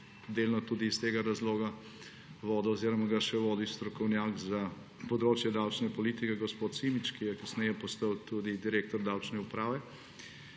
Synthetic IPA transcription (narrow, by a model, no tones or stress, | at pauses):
d̪eːlnɔt̪uːd̪iːst̪eːɡaɾazloːɡa | ʋoːd̪ɔɔziːɾɔmaɡaʃɛʋoːd̪ist̪ɾɔkɔwnjaːɡza | pɔd̪ɾoːt͡ʃjɛd̪awt͡ʃnɛpɔlit̪ikɛɡɔspot̪simit͡ʃkijɛkɐsnɛjɛpɔst̪əwt̪ud̪id̪iɾeːk̚t̪ɔɾd̪awt͡ʃnɛupɾaːʋɛ